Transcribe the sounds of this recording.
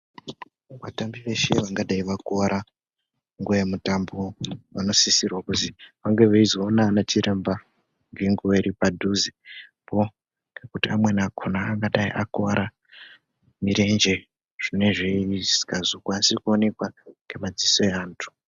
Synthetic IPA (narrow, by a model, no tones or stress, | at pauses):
ʋatambiʋe̞ʃe̞̰ʋaŋɡaɗaiʋakaɾa | ŋɡujemutamboʋano̞sisirwakutiʋaŋɡe̞ʋeizoːnanat͡ʃiɾemba | ŋɡiŋɡueɾipadʱuzipo | ŋɡekutiamwe̞nakʰonaːŋɡaɗaiʔakoaɾa | miɾe̞nd͡ʒe̞ | ʐ̥ine̞ʐezi̥kazokwansiikuone̞kwaŋɡe̞mad͡zisoeaːntʰu̥